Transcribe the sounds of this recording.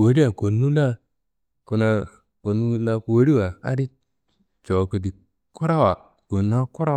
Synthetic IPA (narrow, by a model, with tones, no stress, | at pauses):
wo˦ɾi˦wa˨ko˨nu˦la˦ | ku˨˦na˨ | ko˨nu˦la˦ku˨wo˦ɾi˦wa˨a̰˦ɾi˦ | t͡ʃo˨ko˨di˨ | ku˦ɾa˦wa˨ | ko˨na˦ku˦ɾa˦